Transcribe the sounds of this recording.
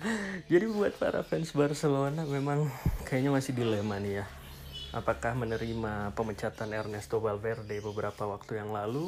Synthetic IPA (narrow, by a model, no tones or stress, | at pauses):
d͡ʒadibəbuat̪̚pa̰ɾa̰fɛnsbarsəlonamemaŋkajaɲamasɪhdilemanja | ʔa̰pakahmənəɾimapəmət͡ʃat̪anɛrnɛst̪obalfɛrdebəbəɾapawak̚t̪ujaŋlalu